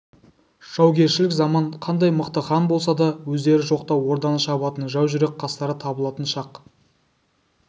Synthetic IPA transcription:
ʒ̥ɑwɡʲe̞ɾʃɪlɪkzɑmɑɴqʰɑnd̪ɑjməqt̪əχɑnbo̞lˠs̬ɑd̪ɑwɵzd̪e̞ɾɪʒo̞qt̪ɑwwo̞ɾd̪ɑnəʃɑbˠɑt̪ənʒɑwʒʏɾe̞k̚qʰɑst̪ɑɾət̪ʰɑbəlˠɑt̪ənʃɑq

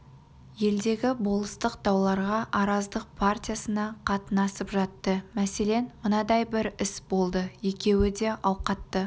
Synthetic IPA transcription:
je̞ld̪e̞ɡʲɪbo̞lˠəst̪əqt̪ɑwlˠɑɾʁɑʔɑɾɑzd̪əq̚pʰart̪ʲijasənɑqʰɑt̪ənɑsəpʒɑt̪ːəmæse̞le̞nmənɑd̪ɑjbɪɾɪsbo̞lˠd̪əje̞kʲe̞wɪd̪e̞ʔɑwqɑt̪ːə

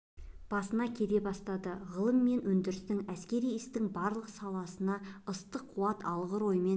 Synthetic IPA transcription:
b̥ɑsənɑkʲʰe̞d̪e̞bɑst̪ɑd̪əʁəlˠəmːe̞nwɵnd̪ɪɾɪst̪ɪŋæskʲe̞ɾijɪst̪ɪŋbɑɾlˠəqsɑlˠɑsənɑəst̪əqʰːuɑt̪ɑlˠʁəɾo̞jəme̞n

